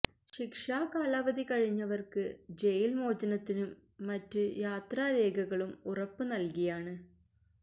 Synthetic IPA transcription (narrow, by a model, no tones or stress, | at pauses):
ɕikʂaːkaːlaːʋɐðikɐɻiɲːɐʋɐrkɨd͡ʑe̞jilmo̞ːd͡ʑɐnɐt̪ːinumː | ɐtːɨjaːt̪raːɾe̞ːɡɐɣɐɭumurɐpːɨnɐlkijaːɳɨ